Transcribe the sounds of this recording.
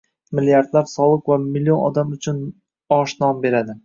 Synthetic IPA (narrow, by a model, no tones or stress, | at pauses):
mɪljaɾd̪laɾsɒlˠɨqvamɪlːijo̞nɒ̰d̪amʊt͡ʃʰʊn | ɒʃnɒmbe̞ɾad̪ɪ